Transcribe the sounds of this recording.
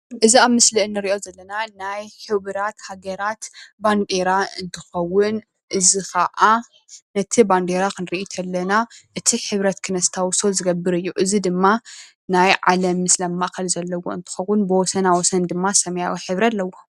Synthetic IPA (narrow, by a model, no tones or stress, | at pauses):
ʔɨziaβmɨsliʔɨnːɨɾiʔo̞zɐlːɐnanajħɨβɨɾat̪haɡɐɾat̪band̪eɾaɨnt̪ʰɨxɐwːʊn | ʔɨzikʰɐʔa | nɐt̪ʰiband̪eɾakɨnɾiʔit̪ʰɐlːɐnaʔɨt̪ʰiħɨβɾɐt̪kʰɨnɐst̪ʰawso̞zɨɡɐbɨɾɨjːuʔɨzid̪ɨmːa | najʕa̰lɐmːɨslɐmːakɐlzɐlːɐwo̞̰ɨnt̪ʰɨ̥xɐwːʊnbɨwɔsɐnawɔsɐnd̪ɨmːasɐmɐjawiħɨβɾialːɐwo